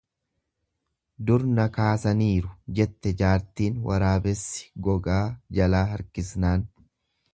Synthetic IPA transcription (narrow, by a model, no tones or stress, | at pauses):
d̪ʊɾnɐkaːsɐniːɾʊd͡ʒɛt̪ːɛd͡ʒaːɾt̪iːnwɐ̰ɾaːbɛsːɪ̥ɡɔɡaːd͡ʒɐlaːɦɐɾkɪsnaːn